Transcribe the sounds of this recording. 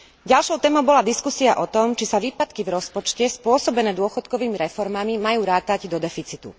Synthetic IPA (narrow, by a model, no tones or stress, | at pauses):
ɟalʃɔʊt̪ɛːmɔʊbɔlad̪iskusiaʔɔt̪ɔmt͡ʃisaʋiːpat̪kivɾɔspɔt͡ʃcɛspʊɔsɔbɛnɛːd̪ʊɔxɔt̪kɔʋiːmiɾɛfɔɾmamimajuːɾaːt̪aɟd̪ɔd̪ɛfit͡sit̪ṵ